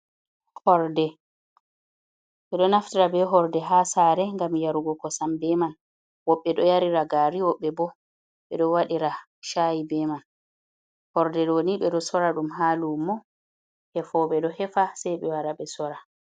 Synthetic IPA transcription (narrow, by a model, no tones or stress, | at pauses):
hɔɾdɛ | ɓɛɗɔnaftiɾabɛɦɔɾdɛɦasaɾɛŋɡamjaɾuɡɔkɔsambɛman | wɔɓːɛɗɔjaɾiɾaɡaːɾiwɔɓːɛbɔ | ɓɛ̰ɗɔwaɗiɾa | ʃajibɛman | hɔɾdɛɗoniɓɛɗɔsɔɾaɗumɦalumːɔ | hɛfɔɓɛɗɔhɛfasɛjɓɛwaɾaɓɛsɔɾa